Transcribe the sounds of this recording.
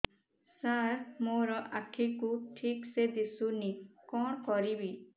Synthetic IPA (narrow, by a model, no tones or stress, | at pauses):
saɾmoɾɔʔakʰikuʈʰiksed̪isunikɔɽkɔɾibi